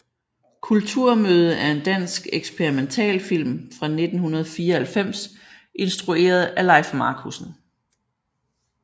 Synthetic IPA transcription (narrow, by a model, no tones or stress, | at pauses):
kʰult͡sʰuɐ̰møːð̞ˠəʔæɐe̝nd̥æn̰sɡ̥eɡ̥sb̥ʰeʁiment͡sʰɛ̰ːlfil̰mfʁɑ̈ne̝d̥n̩hunɐð̞̩ˠɒfiːɐhælfem̰s | ʔe̝nsd̥ʁue̝̰ːɐð̞ˠælɑ̈ɪ̰fmɑ̈ːkʰusn̩